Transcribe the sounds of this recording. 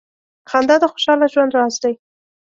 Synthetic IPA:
xand̪ɑd̪əxoʃɑlaʒwand̪ɾɑsd̪aj

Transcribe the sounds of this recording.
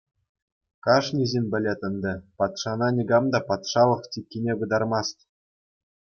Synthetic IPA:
kɑʂnʲizʲinʲbʲɘ̆lʲet̪ʲɘ̆nd̪ʲɘ̆pɑt̪ʂɑnɑnʲiɡɑmd̪ɑpɑt̪ʂɑlˠɤ̆χtʲikʲːinʲebud̪ɑrmɑst̪ʲ

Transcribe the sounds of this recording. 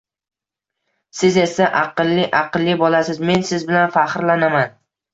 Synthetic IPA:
sɪze̞saʔɑqɨlˠːɪʔɑqɨlˠːɪbɒlasɪzme̞nsɪzbɪlanfaχɾlanaman

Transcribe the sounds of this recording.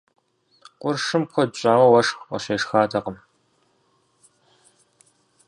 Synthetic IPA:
qʷʊrʂɨmpxʷʰɔdɕʼaːwɐwɐʂxɐ̰ɕeːʂxaːdʰɐqəm

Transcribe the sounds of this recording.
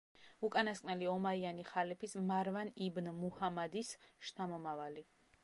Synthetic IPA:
ukʼanaskʼnɛliɔmaianiχalɛpʰismaɾvanibnmuhamad̪isʃnʰamɔmavali

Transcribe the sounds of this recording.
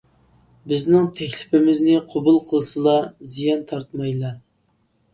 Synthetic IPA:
bɪznɪŋt̪ʰɛkʲlɪpɪmɪznɪqʰobulˠqʰəlˠɨsɨlˠɑzijɑnt̪ʰɑɾt̪mɑjlˠɑ

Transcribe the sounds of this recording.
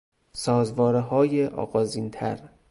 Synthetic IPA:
sɒːzvɒːɾeɦɒːjeʔɒ̰ːɣɒːziːnt̪ʰæ̰ɾ

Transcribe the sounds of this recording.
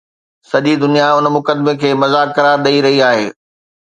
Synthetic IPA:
sɐʄid̪ʊnijaʊnmʊkəd̪mekʰeːmɐzaːkkːɐɾaːɾɗɐiɾɐɦiaːɦeː

